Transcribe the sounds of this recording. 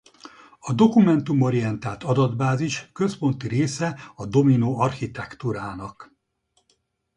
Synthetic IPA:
ɒd̪o̞kumɛnt̪umo̞ɾiɛnt̪aːlt̪ɒd̪ɒd̪baːziʃkø̞spo̞nt̪iɾeːsɛɒd̪o̞minoːɒrxit̪ɛkt̪uɾaːnɒk

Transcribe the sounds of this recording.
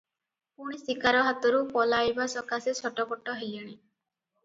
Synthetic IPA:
puɽ̃isikaɾɔɦat̪ɔɾupɔlajbasɔkasesʰɔʈɔbɔʈːɔɦelaɽ̃i

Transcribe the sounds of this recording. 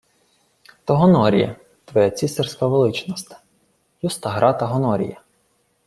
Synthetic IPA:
t̪ɔɦɔnɔɾʲḭjɛ̰ | t̪ʋɔjɛt͡sʲist̪ɛrsʲkɐʋelˠɪt͡ʃnɔst̪ | just̪ɐɦɾɑt̪ɐɦɔnɔɾʲḭjɐ

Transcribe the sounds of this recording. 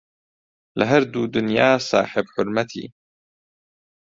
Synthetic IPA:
lɪɦaɾd̪uːd̪ʊnjaːsˤɑ̰ːħɪbħʊɾmat̪ʰḭː

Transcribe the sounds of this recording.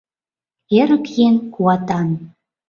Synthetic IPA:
eɾəkjenkuɑt̪ɑn

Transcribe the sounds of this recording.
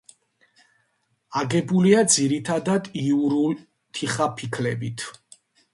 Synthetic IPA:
aɡɛbuliad̪ziɾit̪ʰad̪ad̪iuɾul | t̪ʰiχapʰikʰlɛbit̪ʰ

